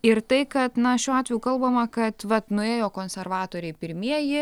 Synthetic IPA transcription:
ɪrt̪ɐɪkɐt̪nɐʃʲuːɑːt̪ʲʋʲɛjuːkɐlˠbɐmɐkɐt̪ʋɐt̪nʊeːjoːkoːnʲsʲɛrʋɑːt̪oːɾʲɛɪpʲɪɾʲmʲiɛjɪ

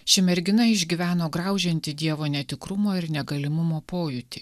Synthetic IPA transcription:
ʃʲɪmʲɛɾʲɡʲɪnɐɪɪʒʲɡʲiʋʲæːnoːɡɾɑˑʊʒʲɛnʲt̪ʲɪd̪ʲiɛʋoːnʲɛt̪ʲɪkɾʊmoːɪɾnʲɛɡɐlʲɪmʊmoːpoːjʊt̪ʲɪ

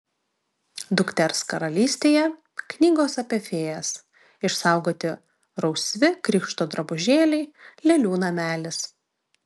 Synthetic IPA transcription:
d̪ʊkt̪ʲɛɾskɐɾɐlʲiːsʲt̪ʲeːjɛ | knʲiːɡoːsɐpʲɛfʲeːjɛs | ɪʃsɑˑʊɡoːt̪ʲɪ | ɾɒʊsʲʋʲɪkɾʲiːkʃt̪oːd̪ɾɐbʊʒʲeːlʲɛɪlʲɛlʲuːnɐmʲæːlʲɪs

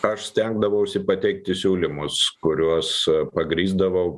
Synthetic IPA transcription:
ɐʃsʲt̪ʲɛŋɡd̪ɐʋɐʊʃʲsʲɪpɐt̪ʲɛɪk̚t̪ʲɪsʲuːlʲɪmʊskʊɾʲuɔspɐɡɾʲiːzd̪ɐʋɐʊ

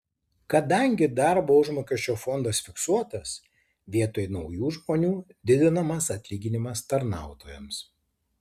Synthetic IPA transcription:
kɐd̪ɐŋʲɡʲɪd̪ɑˑɾboːʊʒmoːkʲɛʃʲt͡ʃʲoːfɔnd̪ɐsfʲɪksuɔt̪ɐs | ʋʲiɛt̪oːjnɒʊjuːʒmoːnʲuːd̪ʲɪd̪ʲɪnɐmɐsɐt̪ʲlʲiːɡʲɪnʲɪmɐst̪ɐɾnɑˑʊt̪oːjɛms

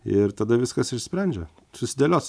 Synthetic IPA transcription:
ɪɾt̪ɐd̪ɐʋʲɪskɐsɪʃsʲpʲɾʲænʲd͡ʒʲɛ | sʊsʲɪd̪ʲelʲoːs

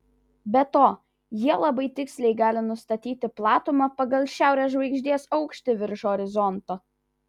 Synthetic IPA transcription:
bʲɛt̪oː | jiɛlˠɐbɐɪt̪ʲɪksʲlʲɛɪɡɑːlʲɪnʊst̪ɐt̪ʲiːt̪ʲɪplˠɑːt̪ʊmɐpɐɡɐlʲˠʃʲæˑʊɾʲɛːsʒʋɐɪɡʒʲd̪ʲiɛsɒʊkʃʲt̪ʲɪʋʲɪɾʃoːɾʲɪzɔnt̪oː

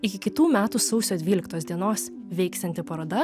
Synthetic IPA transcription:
ɪkʲɪkʲɪt̪uːmʲæːt̪uːsɒʊsʲoːd̪ʲʋʲiːlʲɪkt̪oːsd̪ʲiɛnoːs | ʋʲɛɪkst̪ʲɛnt̪ʲɪpɐɾɐd̪ɐ

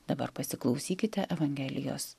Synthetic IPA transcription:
d̪ɐbɐ̰ɾpɐsʲɪklˠɒʊsʲiːkʲɪt̪ʲɛʔɛʋɐŋʲɡʲɛlʲɪ̰jo̰ːs

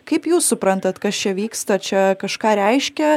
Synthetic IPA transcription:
kɐɪpjuːssʊpɾɐnt̪ɐt̪kɐst͡ʃʲɛʋʲiːkst̪ɐt͡ʃʲɛkɐʃkɑːɾʲɛɪʃʲkʲɛ

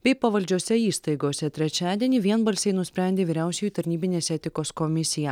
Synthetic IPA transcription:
bʲɛɪpɐʋɐlʲd͡ʒʲuɔsʲɛiːst̪ɐɪɡoɔsʲɛt̪ʲɾʲɛt͡ʃʲæːd̪ʲiɛnʲiʋʲiɛnbɐlʲsʲɛɪnʊsʲpʲɾʲɛnʲd̪ʲeːʋʲiːɾʲæˑʊsʲɛjuːˑt̪ɐɾʲnʲiːbʲɪnʲeːsɛt̪ʲɪkoːskɔmʲɪsʲɪjæ

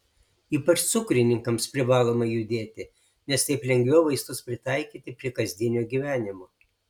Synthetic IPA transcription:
iːpɐt͡ʃt̪sʊkɾʲɪnʲɪŋkɐmspʲɾʲɪʋɑːlˠoːmɐɪjʊd̪ʲeːt̪ʲɪ | nʲɛst̪ɐɪplʲɛŋʲɡʲʋʲɛːʋɐɪst̪ʊspʲɾʲɪt̪ɑˑɪkʲiːt̪ʲɪpʲɾʲiɛkɐzʲd̪ʲɪnʲoːɡʲiːʋʲæːnʲɪmoː

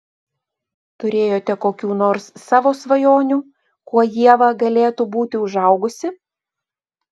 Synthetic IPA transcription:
t̪ʊɾʲeːjoːt̪ʲɛkoːkʲuːnoːɾsːɑːʋoːsʋɐjoːnʲuː | kuɔjiɛʋɐɡɐlʲeːt̪ubuːt̪ʲɪʊʒɐʊɡʊsʲɪ

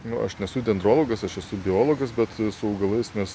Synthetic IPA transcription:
nʊɐ̰ʃnʲɛsʊd̪ʲɛnd̪ɾoːlˠoːɡɐsɐʃɛsʊbʲɪoːlˠoːɡɐsbʲɛt̪sʊɐʊɡɐlˠɐɪsnʲɛs

